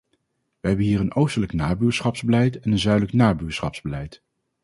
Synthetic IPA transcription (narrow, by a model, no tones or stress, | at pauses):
ʋəɦɛbənɦiːɹənowstələknaːbyːɹsχɑpz̥bəlɛjtɛnənzœɥdələknaːbyːɹsχɑ̰pz̥bəlɛjt